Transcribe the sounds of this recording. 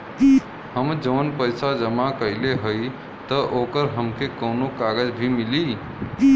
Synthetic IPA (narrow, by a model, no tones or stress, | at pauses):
həmd͡ʒəːnpəjsad͡ʒəmakəɪleɦəj | t̪əʔokəɾɦəmkʰekəʊnokaɡəd͡ʒbʱimili